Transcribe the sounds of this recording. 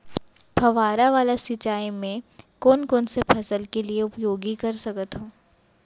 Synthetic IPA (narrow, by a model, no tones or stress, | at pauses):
pʰɐʋaːɾaʋaːlasɪt͡ʃaːimẽkɔːnkɔːnsepʰɐsəlkelieʊpjoːɡikɐɾsɐkət̪ɦõː